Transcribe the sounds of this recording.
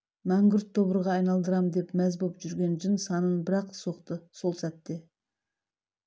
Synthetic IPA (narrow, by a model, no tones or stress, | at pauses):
mæŋɡʲʏɾt̪ʰːo̞βəɾʁɑːjnɑlˠd̪əɾɑmd̪e̞pmæzbopʒʏɾɡʲe̞nʒənsɑnənbɪɾɑqso̞qt̪əso̞lˠsæt̪ːe̞